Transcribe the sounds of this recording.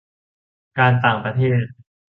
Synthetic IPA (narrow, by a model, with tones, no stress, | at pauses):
kaː˧nt̪aː˨˩ŋpɾa˧t̪ʰeː˥˩t̪̚